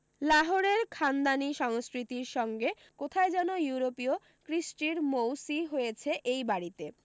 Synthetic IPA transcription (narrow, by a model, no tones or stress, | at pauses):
laɦoɾeɾkʰand̪aniʃɔŋskɾit̪iɾʃɔŋɡe | kot̪ʰaed͡ʑɛnojuɾopio | kɾiʃʈiɾmowsiɦojet͡ɕʰeʔejbaɾit̪e